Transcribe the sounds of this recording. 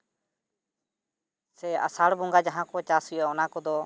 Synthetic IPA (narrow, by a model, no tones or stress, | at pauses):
sɛa̰saɽbɔŋɡad͡ʒaɦãkɔt͡ʃasujɔɔnakɔd̪ɔ